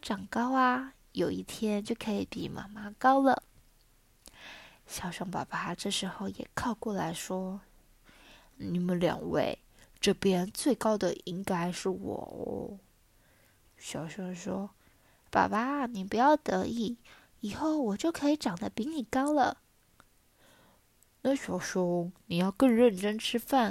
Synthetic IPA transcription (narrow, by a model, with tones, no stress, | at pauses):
ʈ͡ʂɑ˨˩ŋkɑ˥ʊɐ˨ | jo˨˩ʊḭ˥˩t̪ʰjɛ˥nt͡ɕjo˥˩ʊkʰɤ˧˥i˧˩˥pḭ˨˩mʔa̰˧˥˩ma˥kɑ˥ʊlə̰˨ | ɕjɑ˨˩ʊʂɑ˧˥ŋpa̰˨˩ba˥ʈ͡ʂɤ˥˩ʂɻ̩˧˥xo˥˧ʊjɛ̰˨˩kʰɑ˥˧ʊkwɔ˥˩la˧˥ɪʂwɔ˥ | ni˨˩mə˦nljɑ̰˨˩ŋwḛ˥˩ɪ | ʈ͡ʂɤ˥˧pjɛ˥nt͡swe˥˩ɪkɑ˥ʊd̪ə˨ʔi˥ŋka˥ɪʂɻ̩˥˩wɔ̰˨˩ | ɕjɑ˨˩ʊɕʊ˧˥ŋʂwɔ˥ | pa̰˨˩ba˧˦ni˨˩pu˧˥jɑ˥˩ʊt̪ɤ˧˥i˥˩ | i˨˩xo˥˩ʊwɔ˨˩t͡ɕjo˥˩ʊkʰɤ˧˥i˧˥ʈ͡ʂɑ˨˩ŋd̪ə˧pi˧˥ŋni˨˩kɑ˥ʊlə˨ | na˥˩ɕɥɑ˨˧˥ʊʂɔ˥ni˨˩jɑ˥˧ʊkɤ˥˧ŋɻə˥˩nʈ͡ʂə˥nʈ͡ʂʰɻ̩˥fa˥˩n